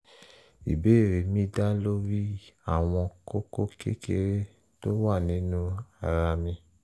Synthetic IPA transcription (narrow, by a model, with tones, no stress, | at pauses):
i˨be˦˨ɾe˨mĩ˦da˦lo˦ɾi˦a˦˨w̃ɔ̃˧ko˦ko˦kḛ˦kḛ˦ɾe˦ | to˦wa˦˨nĩ˨˦nũ˦a˨ɾa˧mĩ˧